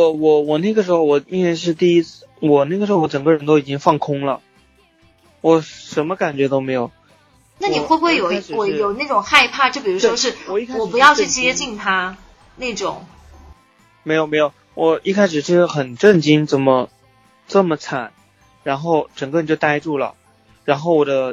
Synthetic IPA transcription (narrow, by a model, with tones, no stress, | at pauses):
ɔ˧˩wɔ˨˩wɔ˨˩na˥˩ɡə˩ʂ̬ɻ̩˧˥xo˧ʊwɔ˨˩i˥nwe˥ɪʂ̬ɻ̩˥˧t̪i˥˩i˥t͡s̩˥˩wɔ˨˩na˥˩ɡə˩ʂɻ̩˧˥xwɔ˧˥ʈ͡ʂɤ˨˩ŋɡə˥˧ɻə˧˥nt̪̬o˥ʊi˨˩t͡ɕi˥ŋfɑ˥˩ŋkʰʊ˥ŋlə̰˨ | wɔ˨˩ʂə˧˥mə˧ka˨˩nt͡ɕɥɛ˧˥t̪o˥ʊme˧˥ɪjo˨˩˦ʊ | na˥˩ni˨˩xwe˥˧xwe˥˩ɪjo˨˩ʊ˧˥˨kwe˨˩jo˨˩ʊna˥˩ʈ͡ʂʊ˨˩ŋxa˥˧ɪpʰa˥˧t͡ɕjo˥˩ʊp̬i˨˩ɻu˧˥ʂwɔ˥ʂɻ̩˥˩wɔ˨˩i˥kʰa˥wɔ˨˩pu˧˥jɑ˥˧ʊt͡ɕʰy˥˩t͡ɕjɛ˥t͡ɕi˥˩nt̪ʰa˥ | ne˥˩ʈ͡ʂʊ̰˨˩˦ŋ | me˧˥ɪjo˨˩me˧˥jo˨˩ʊ | wʔɔ˨˩i˥˩kʰa˥ɪʂ̬ɻ̩˨˩t͡ɕʰʂɻ̩˥˩xə˨˩nʈ͡ʂə˥˩nt͡ɕi˥nt͡sə˥˩mə˩ | t͡sə˥˩mə˩t͡sʰa˨˩˦n | ɻa˧˥nxo˥˩ʊʈ͡ʂə˨˩ŋɡə˥˩ɻnt͡ɕjo˥˧ʊt̪a˥ɪʈ͡ʂu˥˩lə̰˩ | ɻa˧˥nxo˥˩ʊwɔ˨˩d̪ə˦